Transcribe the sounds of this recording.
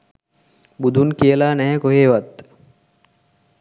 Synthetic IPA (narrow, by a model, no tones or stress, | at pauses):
bud̪unkijəlaːnæɦɛkoɦeːʋat̪